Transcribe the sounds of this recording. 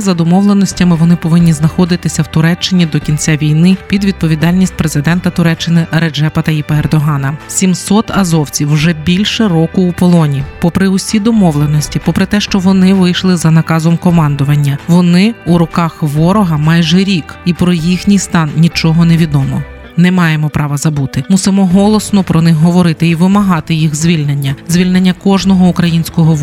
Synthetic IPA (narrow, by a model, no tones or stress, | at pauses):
zɐd̪ɔmɔʋlˠenɔsʲtʲɐmɪʋɔnɪpɔʋɪnʲːiznɐxɔd̪ɪt̪ɪsʲɐwt̪ʊɾɛt͡ʃːɪnʲid̪ɔkʲinʲt͡sʲaʋʲijnɪpʲid̪ʋʲid̪̚pɔʋʲid̪ɑlʲnʲisʲt̚ʲpɾe̞zɪd̪ɛnt̪ɐt̪ʊɾɛt͡ʃːɪnɪɾed͡ʒɛpɐt̪ɐipɐerd̪ɔɦɑnɐsʲimsɔt̪ɐzɔwt͡sʲiwʒɛbʲilʲʃɛrɔkʊupɔlˠɔnʲipɔpɾɪʊsʲijd̪ɔmɔʋlˠenɔsʲtʲipɔpɾɪt̪ɛʃt͡ʃɔʋɔnɪʋɪjʃlˠɪzɐnɐkɑzɔmkɔmɑnd̪ʊʋɐnʲːɐʋɔnɪuɾɔkɑxʋɔɾɔɦɐmɑjʒɛɾʲikipɾɔjixnʲijst̪ɑnnʲit͡ʃɔɦɔneʋʲid̪ɔmɔ̰ | nɛmɑjemɔpɾɑʋɐzɐbut̪ɪmusɪmɔɦɔlˠɔsnɔpɾɔnɪxɦɔʋɔɾɪt̪ɪiʋɪmɐɦɑt̪ɪjixzʲʋʲilʲnenʲːɐzʲʋʲilʲnenʲːɐkɔʒnɔɦɔukɾɐjinʲsʲkɔɦɔʋ